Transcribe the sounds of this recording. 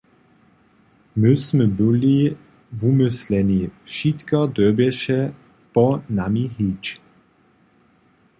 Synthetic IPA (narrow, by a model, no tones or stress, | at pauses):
mɪsmɛbɪli | vumɪslɛnifʃit̪kɔd̪œbɛʃɛ | pɔnamiɦit͡ʃ